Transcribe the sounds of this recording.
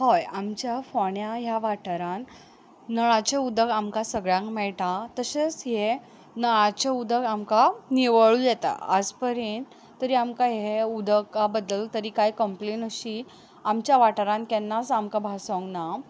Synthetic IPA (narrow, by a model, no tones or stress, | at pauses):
hojamt͡ɕjafoɳjajaʋaʈəɾãn | nəɭãt͡ɕeud̪əɡamkasəɡɭjãŋkmɛɭʈãt̪əɕesɦe | nəɭãt͡ɕeud̪əɡamkaniʋəɭujɛt̪a̰əd͡zpəɾen | t̪əɾiamkaɦeud̪əkːabəd̪ːəlt̪əɾiːkajkəmplenəɕi | amt͡ɕjaʋaʈəɾãnkɛnːasamkabʱasõŋɡna